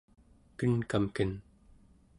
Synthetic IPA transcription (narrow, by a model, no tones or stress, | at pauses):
kənkamkən